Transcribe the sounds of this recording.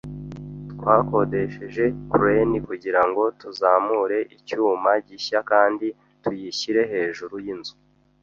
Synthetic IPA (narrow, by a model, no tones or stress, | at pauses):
twaːko̞de̞ʃeʒe̞kuɾe̞nikuɟiɾaŋɡo̞tuzaːmuɾe̞ʔicuːmaɟiçakaːndi | tujiçiɾe̞ɦe̞ːʒuɾujinzu